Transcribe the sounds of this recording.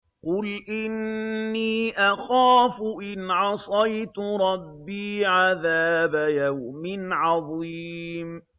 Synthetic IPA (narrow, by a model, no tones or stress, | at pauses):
qʊlʔɪnːiːʔaxaːfʊʔɪnʕɑsˤɑjt̪ʊɾˤɑbːiːʕaðaːbajawmɪnʕɑðˤiːm